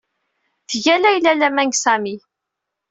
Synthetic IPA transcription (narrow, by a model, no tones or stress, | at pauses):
θəʝælæjlælæmæŋɡsæmi